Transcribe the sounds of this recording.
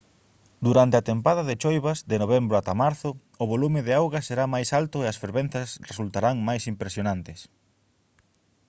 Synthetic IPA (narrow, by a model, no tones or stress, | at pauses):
d̪uɾant̪eat̪empaðɐðɪt͡ʃojβɐzðɪnoβ̞embɾʊat̪amaɾθʊ | ʊβolumɪðɪawɣɐseɾamajsalt̪ʊeɐsfeɾβẽn̟θɐsresult̪aɾaŋmajsimpɾesjonant̪ɪs